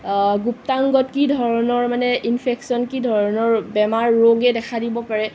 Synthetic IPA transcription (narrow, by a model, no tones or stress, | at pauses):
ɡuptaŋɡɔtkidʱɔɹɔnɔɹmanɛʔinpʰeksiɔnkidʱɔɹɔnɔɹbɛmaɹːoɡɛdɛkʰadibɔpaɹɛ